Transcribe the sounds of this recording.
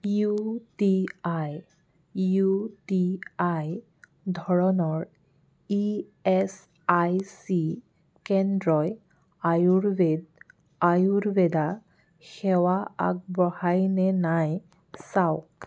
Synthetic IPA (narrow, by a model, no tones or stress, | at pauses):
jutiaj | jutiaj | dʱɔɹɔnɔɹ | iɛs | ajsi | kɛndɹɔj | ajuɹbed̚ | ajuɹbɛda | xɛwaa̰k̚bɔhajnɛnaj | sawk